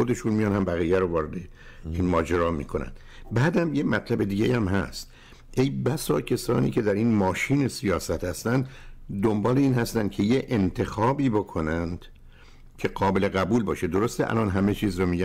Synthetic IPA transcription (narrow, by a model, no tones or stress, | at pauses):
xod̪e̞ʃuːnmijɒnhæmbæɣiːjæɾovɒːɾe̞d̪e | inmɒːd͡ʒeɾɒːmḭːkʰo̞næ̰nd̪̥ | bæːd̪æmjemæt̪ʰlæbe̞d̪iːɡejæmɦæ̰st̪ | ʔe̞jbæsɒːcʰesɒ̰ːnḭːcʰe̞d̪æɾiːnmɒːʃiːne̞sijɒːsæt̪hæst̪ænd̪d̪ombɒːle̞iːnhæst̪ænd̪kʰe̞jeʔent̪ʰe̞xɒːbiːbokʰo̞nænd̪̥ | cʰe̞ɡɒːbe̞leɣæbuːlbɒːʃed̪o̞ɾo̞st̪eʔæ̰lʔɒːnɦæme̞t͡ʃʰiːzromiːɡɟæ